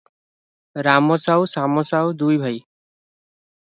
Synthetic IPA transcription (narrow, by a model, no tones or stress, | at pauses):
ɾamɔsawsamɔsawd̪ujbʱʌj